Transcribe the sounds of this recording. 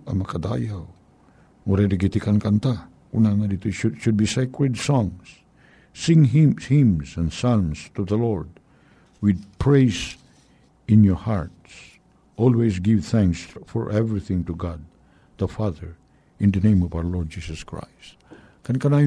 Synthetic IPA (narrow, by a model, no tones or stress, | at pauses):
ʔɐ̰mɐkad̪a̰jaw | ɔɾɛd̪ɪɡit̪ikankant̪a | kunanad̪it̪oʃʊʃʊd̪̚bisɛkɹɛd̪sɔ̃ŋs | sɪ̃ŋɦɪhɪ̃msɛ̃nsalmst̪uðəlɔɹd̪̚ | wɪd̪̚pʰɹejs | ɪ̃njɔɹha̰ɹt̪s | ʔɔlwes̬ɡɪvθæ̃ŋksfɔ̰ɹʔɛvɹiθɪ̃ŋt̪ʊɡad̪̚ | ðəfaðəɹ | ɪ̃nd̪ɐnẽjmɔvawəlɔɹd̚d͡ʒisɔskɹa̰jst̪ | kankanaj